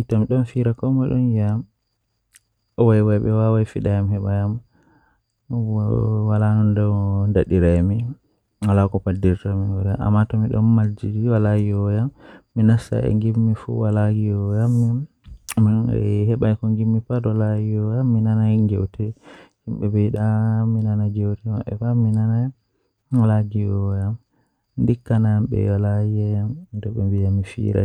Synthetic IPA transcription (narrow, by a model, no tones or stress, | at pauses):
itamiɗɔnfiɾakɔmɔɗɔnjaam | ɔwajwajɓɛwawajfiɗajamhɛɓajam | walanɔndawndaɗiɾajmi | walakɔpadːiɾtamiŋɡɔɾiaa̰mːatɔmiɗɔ̰nmald͡ʒiiwalaɡiɔjamːinasa̰ʔɛ̰ŋɡimːifṵwalaɡiɔjamː | miɗn̰ɛhɛɓajkɔŋɡimːipadɔlajiɔjamːinanaɡɛwtɛhimɓɛbɛjɗaminanaɡɛwtɛmaɓɛ̰faminana | walaɡiɔjam | ndikːanamɓɛ̰walaiɔjamdɛɓɛmbijamifḭɾa̰